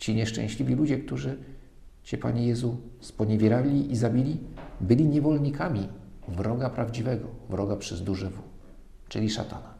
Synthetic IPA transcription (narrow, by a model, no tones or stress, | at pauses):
t͡ɕiɲɛʂt͡ʂɛ̰̃w̃ɕlʲivʲilud͡ʑɛk̚t̪uʐɘ | t͡ɕɛpa̰ɲɛjɛzuspɔɲɛvʲjɛɾalʲiʔizabʲilʲibɘlʲiɲɛvɔlɲikamʲivɾɔɡapɾavd͡ʑivɛɡɔvɾɔɡapʂɛzd̪uʐɘvu | t͡ʂɘlʲiʂa̰t̪a̰na